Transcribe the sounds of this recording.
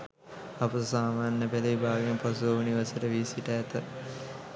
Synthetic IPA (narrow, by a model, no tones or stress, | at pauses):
apəsaːmaːnəpeləʋibaːɡimposuouniʋasəʈəʋisiʈəːt̪ə